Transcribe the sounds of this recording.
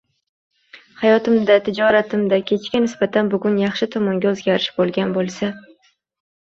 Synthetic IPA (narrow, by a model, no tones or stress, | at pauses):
hajɒt̪ɪmd̪at̪ʰɪd͡ʒɒɾat̪ʰɪmd̪akʲʰe̞t͡ʃkʲanɪsbat̪ʰanbʊɡʊnjɑχʃɪt̪ʰɒmɒŋɡʲaɵzɡʲaɾɪʃbolˠɡʲanbolˠsa